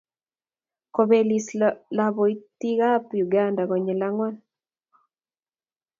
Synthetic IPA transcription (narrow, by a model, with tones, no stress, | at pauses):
ko˨be˨li˨slabɔ˨i˦t̪i˦ɣa˦pju˨ɡa˦nda˨ɣɔ˨ɲɛ˨la˦ŋwa˦n